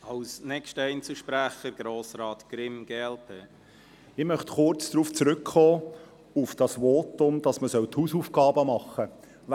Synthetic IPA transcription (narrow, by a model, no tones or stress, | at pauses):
ɑlsnɛkstəɛjnt͡suʃpɾæχəɾɡ̥ɾoːsɾɑːt̪ɡ̥ɾɪmɡ̥eɛlpʰeː | ɪmœχtχʊrt͡sd̥̪ɾuːft͡sɾʏkχɔː | ufd̥ɑsʋoːtʊmd̪̥ɑsməsœwthuːsuːfɡ̥ɑːbəmɑχːə